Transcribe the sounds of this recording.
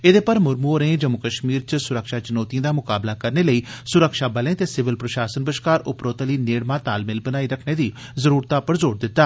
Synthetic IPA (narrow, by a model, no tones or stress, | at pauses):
ed̪eːpəɾmʊɾmuɾẽːd͡ʒəmʊkəʃmiːɾt͡ʃsʊɾəkʃaːt͡ʃənoːt̪ijãːd̪aːmʊkaːblaːkəɾneːləiːsʊɾəkʃaːbəlẽːt̪eːsɪʋɪlpɾəʃaːsənbəʃkaːɾʊpɾoːt̪əliːneːɽmãːt̪aːlmɪlbənaːiːɾəkʰneːd̪iː | zəɾuːɾt̪aːpəɾzoːɾd̪ɪt̪ːaː